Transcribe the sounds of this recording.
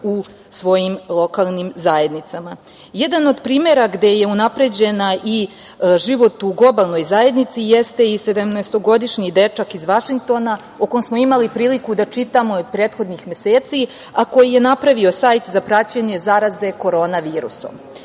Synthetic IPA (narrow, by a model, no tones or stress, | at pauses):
u | sʋo̞jimlˠo̞kalˠnimzaje̞d̪nit̪sama | je̞d̪ano̞d̪pɾiːme̞ɾaɡd̪e̞je̞unapɾe̞d͡ʑe̞naʔi | ʒiʋo̞t̪uɡlˠo̞balˠno̞jzaje̞d̪nit̪sije̞st̪e̞ise̞d̪amnojst̪o̞ɡo̞d̪iʃɲid̪e̞t͡ʂakizʋaʃiŋk̚t̪o̞na | okomsmo̞imalipɾiːlikud̪at͡ʂit̪amo̞pɾeːt̪xo̞d̪nixme̞se̞ːt̪si | ako̞jije̞napɾaʋio̞sajt̪zapɾat͡ɕeɲe̞zaɾaze̞ko̞ɾo̞ːnaʋiːɾṵso̞̰m